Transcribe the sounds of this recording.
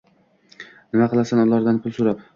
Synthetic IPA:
nɪmaqɨlˠasanɒlaɾd̪anpʰʊlˠsʊɾap

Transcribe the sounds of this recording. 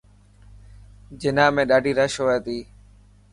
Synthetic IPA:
d͡ʒɪnãːmẽːɗaːɖʱiːɾəʃɦoːeːt̪iː

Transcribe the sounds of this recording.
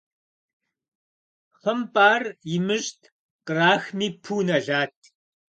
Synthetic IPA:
χəmpʼaːrjɪmɨɕtʰ | qraːxmiːpʰuːnɐɮaːtʰ

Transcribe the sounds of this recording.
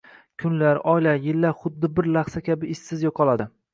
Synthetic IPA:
kʲʰʊnlaɾɒjlajɪlːaɾχʊd̪ːɪbɪɾlaχsakʲʰabɪːsːɪzjɒqʰɒlˠad̪ɪ

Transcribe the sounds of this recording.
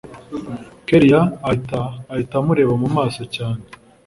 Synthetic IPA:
keɾijaːtaːitamuɾe̞ːβamumaːso̞caːne

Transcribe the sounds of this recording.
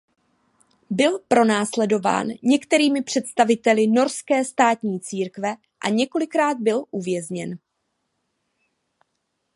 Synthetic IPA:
bɪlpɾo̞naːslɛdo̞va̰ːnɲɛkt̪ɛɾiːmɪpr̝̥ɛt̪st̪avɪt̪ɛlɪno̞ɾskɛːst̪aːt̪ɲiːt͡siːɾkvɛ | ʔa̰ɲɛko̞lɪkɾaːd̪̚bɪlʔuvjɛzɲɛn

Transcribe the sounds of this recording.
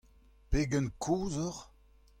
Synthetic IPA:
peːɡənkʰoːzɔʁ

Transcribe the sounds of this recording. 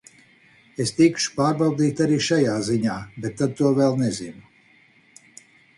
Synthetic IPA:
est̪ikʃu̥paːɾbawd̪ʲiːt̪ʲaɾiːʃajaːziɲaːbet̪ːad̪̚t̪uɔvɛlˠnɛzinu

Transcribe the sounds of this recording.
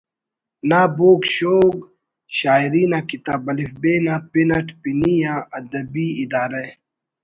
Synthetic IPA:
naːboːkɕoːɡ | ɕaːiɾiːnakit̪aːbɐlifbeːnapinɐʈpinijãːɐd̪ɐbiːid̪aːɾe

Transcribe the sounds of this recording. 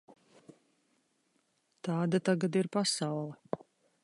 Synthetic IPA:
t̪ɑːd̪at̪aɡad̪iɾpasawlˠɛ

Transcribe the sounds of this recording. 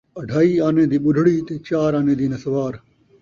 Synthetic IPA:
ɐɖʱaːiːaːnẽːd̪iːɓʊɖʱɽiːt̪eːt͡ʃaːɾaːnẽːd̪iːnɐsɐʋaːɾ

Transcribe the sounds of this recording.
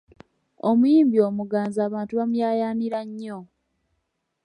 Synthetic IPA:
omujiːmbio̞ːmuɡaːnzaːβaːntuβamujaːjaːniɾaɲːo

